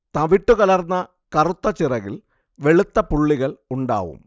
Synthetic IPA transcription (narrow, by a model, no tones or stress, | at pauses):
t̪ɐʋiʈːukɐlɐrnːɐ | kɐrut̪ːɐt͡ɕirɐɣil | ʋe̞ɭut̪ːɐpuɭːiɣɐɭuɳɖa̰ːʋṵm